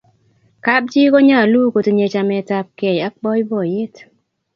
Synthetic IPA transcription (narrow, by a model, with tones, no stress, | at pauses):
ka˦b̚d͡ʒi˦ko˦ɲa˦˨lu˦ko˨to˨ɲe˨t͡ʃa˨mɛ˨˦ta˦p̚ke˨ja˦k̚bɔ˦jbɔ˨je˦t